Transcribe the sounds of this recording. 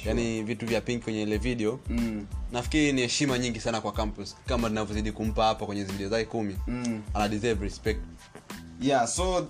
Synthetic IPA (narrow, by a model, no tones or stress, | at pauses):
janivituvjapiŋkikwɛɲɛilɛviɗɛɔ | nafkiɾinihɛʃimaɲiŋɡisanakwakampuskamaninavjɔziɗikum̩pahapakwɛɲɛziviɗɛɔzakɛkumianaɗizɛvɾispɛk̚t | jasɔ